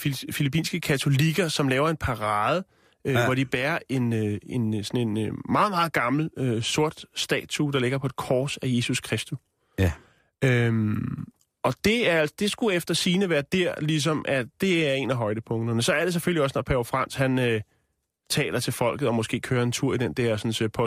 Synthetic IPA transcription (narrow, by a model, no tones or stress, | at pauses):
fifilipḭːnsɡ̥əkʰæt͡sʰo̝liɡ̥ɐsɒ̽mlɛːʊɐe̝npʰɑ̈ʁɑ̈ːð̞ˠə | øʋɒɾ̥ib̥æːɐʔe̝nøensɒ̽ne̝nmɑ̈ːð̞̩ˠmɑ̈ːð̩ˠɡ̥ɑ̈ml̩øso̝ɐ̰d̥sd̥ɛ̰ːt͡sʰud̥ɑ̈le̝ɡ̥ɐpʰɒ̽ed̥kʰɒːsæje̝suskʰʁɛsd̥u | øm | ɒ̽d̥e̝æɐæl̰sd̥e̝sɡ̥uefd̥ɐsiːnəʋæːɐd̥æɐ̰lis̬ɒ̽mʔæd̥e̝æɐe̝næɦɒ̽ɪd̥əpʰɔ̽ŋd̥ɐnəsɒ̽æɐɾ̥e̝s̬eføliɒ̽snɒpʰæfʁɑn̰shænø | t͡sʰɛ̰ːlʔɐt͡sʰe̝lfɒ̽l̰ɡ̥ð̩ˠɒ̽mɔ̽sɡ̥e̝̰ːkʰøːɐe̝nt͡sʰuɐ̰id̥end̥ɛɐ̰sɒ̽nsɔpʰɒ